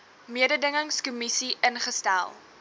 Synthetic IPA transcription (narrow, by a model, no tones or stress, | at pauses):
miədədəŋəŋskumisiʔənχəstæ̰lˠ